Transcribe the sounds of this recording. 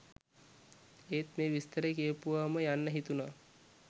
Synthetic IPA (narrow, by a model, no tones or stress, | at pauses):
eːt̪meːʋist̪əɾəkeəpuʋaːməjanːəɦit̪unaː